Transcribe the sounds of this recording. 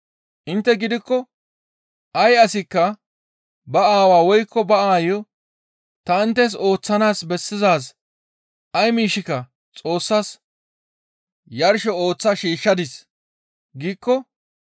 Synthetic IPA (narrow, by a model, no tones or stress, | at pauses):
ʔɪnt̪ːɛɡɪd̪ɪkːɔ | ʔɐjɐsɪkːɐ | bɐaːwaːwɔjkːɔbɐaːjɔ | t̪ɐɪnt̪ːes̬o̞ːt͡sːɐnaːsbɛsːɪzaːs | ʔɐjmiːʃɪkːɐ | t͡sʼo̞ːsːas | jɐɾʃɔo̞ːt͡sːɐʃiːʃːɐd̪ɪs | ɡiːkːɔ